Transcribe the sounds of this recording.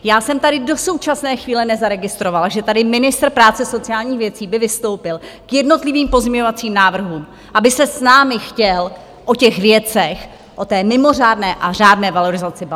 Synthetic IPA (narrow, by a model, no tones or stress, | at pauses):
jaːsɛmt̪adɪdo̞so̞wt͡ʃasnɛːxviːlɛnɛzaɾɛɡɪst̪ɾovalʒɛt̪adɪmɪnɪst̪rpɾaːt͡sɛso̞t͡sɪaːlɲiːxvjɛt͡siːbɪvɪst̪o̞wpɪlkjɛdno̞t̪lɪviːmpo̞zɲɛɲo̞vat͡siːmnaːvr̩ɦuːm | ʔabɪsɛsnaːmɪxcɛl | ʔo̞cɛxvjɛt͡sɛx | ʔo̞t̪ɛːmɪmo̞r̝aːdnɛːʔaraːdnɛːvalo̞ɾɪzat͡sɪb